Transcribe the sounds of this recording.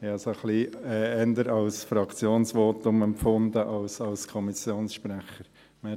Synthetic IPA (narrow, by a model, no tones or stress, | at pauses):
ɑsoχliɛɛnd̪əɾɑlsfɾɑkʰt͡sjoːnsʋoːtʊmɛmpfʊnd̪əʔɑlsɑlskʰɔmisjoːnsʃpɾæχəɾ | mɛ